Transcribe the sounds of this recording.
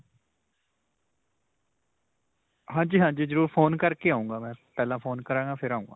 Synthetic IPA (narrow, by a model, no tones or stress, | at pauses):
ɦãːɲd͡ʒiːɦãːɲd͡ʒiːzəɾuːɾpʰoːnkəɾkeːaːũːŋɡaːmɛ̃ːpɛːlãːpʰoːnkəɾãːɡãːpʰɪɾaːũːŋɡa̰ː